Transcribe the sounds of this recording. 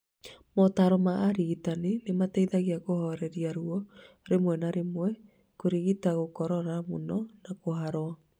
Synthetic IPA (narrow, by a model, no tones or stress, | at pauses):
mɔtaːɾɔmaːɾiɣitanenemataiðaɣeaɣohɔɾɛɾiaɾuɔ | ɾemwɛnaɾemwɛ | koɾiɣitaɣokɔɾɔɾamonɔnakoɦaɾɔa